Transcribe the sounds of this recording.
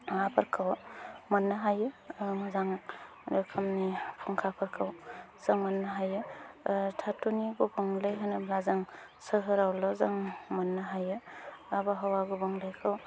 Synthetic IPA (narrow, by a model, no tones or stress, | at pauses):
apʰaɾkʰawmɐnːaɦajɯmɯzaŋ | ɾɯkʰɯmnipʰuŋkʰapʰaɾkʰaw | z̥aŋmɐnːaɦajɯ | tʰatuniɡubɔŋlajɦɯnɯblazaŋsɯɦɯɾawlɔzaŋmɐnːaɦajɯabaɦawaɡubɔŋlajkʰɯw